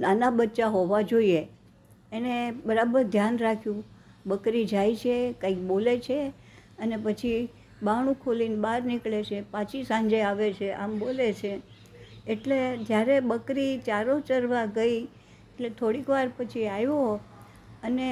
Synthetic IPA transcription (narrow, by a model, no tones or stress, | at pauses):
nanabətːt͡ʃaɦoʋad͡ʒoie | enebəɾabəɾd̪ʱjanɾakʰjũbəkɾid͡ʒajt͡ʃʰekãik̚bolet͡ʃʰe | ənepət͡ʃʰi | baɽ̃ũkʰolinbaɾnikɭet͡ʃʰepãt͡ʃisãɲd͡ʒəjaʋet͡ʃʰeʔambolet͡ʃʰeː | ʈled͡ʒjaɾebəkɾit͡ʃaɾot͡ʃəɾʋaɡəi | eʈlet̪ʰoɽikʋaɾpət͡ʃʰiajoɦ | əne